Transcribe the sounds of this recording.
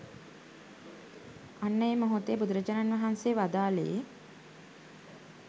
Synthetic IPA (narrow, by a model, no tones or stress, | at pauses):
anːəjemoɦot̪ebud̪əɾəd͡ʒananʋaɦanseːʋad̪aːleje